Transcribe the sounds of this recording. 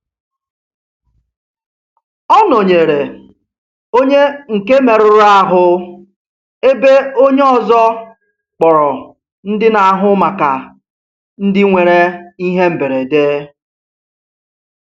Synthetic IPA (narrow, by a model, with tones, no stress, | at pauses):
ɔ˦no˨ɲe˨ɾe˨ | o˦ɲe˦ŋ̩˨ke˦me˨ɾʊ˨ɾa˦ɦʊ˦ | e˦be˦o˦ɲe˦ɔ˦˨zɔ˦ | k͡pɔ˨ɾɔ˨ | n̩˦dɪ˦na˨a˨ɦʊ˦ma˨ka˨ | n̩˦dɪ˦ŋʷe˨ɾe˦i˦ɦe˦m̩˨be˨ɾe˨deː˦